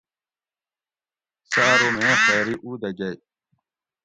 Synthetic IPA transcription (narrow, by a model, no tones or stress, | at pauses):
saːɾomexaɾiʔud̪aɡaj